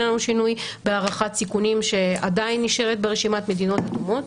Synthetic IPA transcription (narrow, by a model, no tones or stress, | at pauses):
anuʃinujbeaːʁaχat̪sikunimʃe̞adainːiʃe̞ʁet̪beʁeʃimat̪me̞d̪ino̞tatumo̞t̪